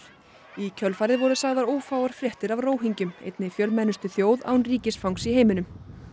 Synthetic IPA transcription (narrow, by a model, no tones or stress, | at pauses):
icʰœlfaːɾðɪvɔɾʏsaːɣðaɾoːwfaːwaɾ̥fɾjɛht̪ɪɾavroːwɦiɲcʏmḛjt̪nɪfjœlmɛnːʏst̪ʏθjoːwða̰wnriːcɪsfawŋksiɦeːjmʏnʏm